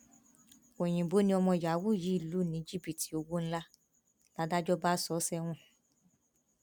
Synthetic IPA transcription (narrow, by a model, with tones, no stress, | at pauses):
o˨j̃ĩ˨bo˨˦nĩ˧˦ɔ˧mɔ̃˧˨ja˨˦wu˦˨ji˨˦i˦˨lu˨˦˨nĩ˨˦d͡ʒi˦˨pi˨ti˨˦o˧wo˦n̩˦la˦ | la˦da˦d͡ʒɔ˦ba˦sɔ˨˦sɛ˦˧w̃ɔ̃˧˨